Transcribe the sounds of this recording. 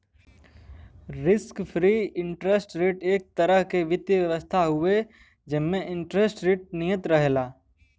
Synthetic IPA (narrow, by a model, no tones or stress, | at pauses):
ɾɪskpʰɾiːɪ̃ɳʈɾesʈɾeːʈeːk̚t̪əɾəɦkeʋɪt̪jəʋjəʋəst̪ʰaɦʊe | d͡ʒɪmmẽɪ̃ɳʈɾesʈɾeːʈ̚nijət̪ɾəɦelaː